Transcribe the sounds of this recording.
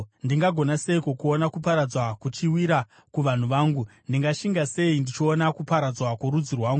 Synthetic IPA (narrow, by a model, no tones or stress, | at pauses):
ndiŋɡaɡʱo̞nase̞ikokuonakupaɾad͡zwakut͡ʃiwiɾa | kuʋan̤uʋaːŋɡundiŋɡaʃiŋɡase̞indit͡ʃionakupaɾad͡zwakuɾud͡zirwaːŋɡu